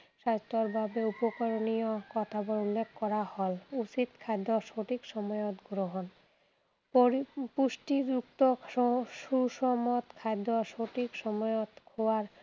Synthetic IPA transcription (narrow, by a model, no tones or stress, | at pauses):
ʃast̪oɾbʱabeupokoɾonijokɔt̪ʰaboɾulːekʰkɔɾahɔlusit̪kʰad̪ːoʃoʈikʃɔmɔjot̪ɡɾoɦon | puʃʈid͡ʑukt̪oʃuʃɔmot̪kʰad̪ːoʃoʈikʃɔmɔjot̪kʰowaɾ